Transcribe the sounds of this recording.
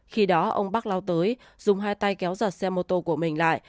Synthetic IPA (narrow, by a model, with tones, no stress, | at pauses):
xi˧ɗɔ˨˦ʔə˧wŋ͡mɓa˦˥k̚la˧wt̪əː˨˦j | zʊ˨˩ŋ͡mɦaː˧jt̪a˧jkɛ˨˦wzə˨˩t̚sɛ˧mo˧˩t̪o˧ku˧˩əmï˨˩ŋ̟la̰ː˧˨jʔ